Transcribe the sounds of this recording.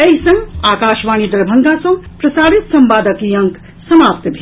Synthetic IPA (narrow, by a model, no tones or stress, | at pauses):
ɐɦisɐ̃ŋaːkaːʃʋaːñid̪ɐɾbʱɐŋɡaːsõpɾɐsaːʋit̪sɐmbaːd̪ɐkijɐ̃ŋk | sɐmaːpt̪bʱi